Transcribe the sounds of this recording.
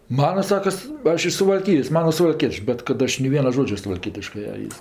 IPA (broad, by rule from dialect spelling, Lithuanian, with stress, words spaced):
ˈmɑːnɐ ˈsɑːkɐs ˈɐʃ ɪʃ sʊʋɐlʲˈkʲɪjoːs ˈmɑːnɐ sʊʋɐlʲˈkʲiɛt͡ʃʲʊ bʲɛt kɐt ˈɐʃ nʲɛɪ ˈʋʲiɛnɐ ˈʒoːd͡ʒʲɛ sʊʋɐlʲˈkʲiɛtʲɪʃkɜ ɐ ˈɪs